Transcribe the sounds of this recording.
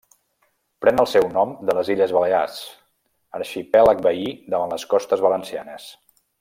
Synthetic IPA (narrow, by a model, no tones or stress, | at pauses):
pɾɛnəlˠsɛwnɔmd̪ələziʎəzβəlea̰s | əɾʃipɛlək̚bəiðəβanləskɔst̪əzβələnsianəs